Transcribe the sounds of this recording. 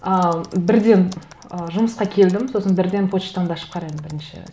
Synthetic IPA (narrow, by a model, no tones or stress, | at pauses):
əbɪɾd̪e̞n | əʒʊməsqɑkʲʰe̞ld̪ɪmso̞sənbɪɾd̪e̞npʰo̞t̪ʃt̪ɑɴd̪ɑʃəp̚qʰɑɾɑjmnbɪɾɪnʃɪ̰